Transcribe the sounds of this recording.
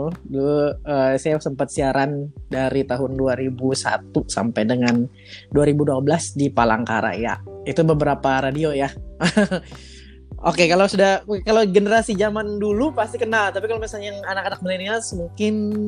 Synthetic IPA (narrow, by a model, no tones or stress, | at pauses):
duluəsajasəmpat̪̚siaɾandaɾit̪aɦʊnduaɾibusa̰t̪usa̰mpajdəŋan | duaɾibuduabəlasdipala̰ŋka̰ɾa̰ja̰it̪ubəbəɾapaɾadioja | ʔo̰kekalosudahkalowɡənəɾasid͡ʒamandulupast̪ikənalt̪apikalomasalɲajaŋanakanak̚mənəɾiasmuŋkɪn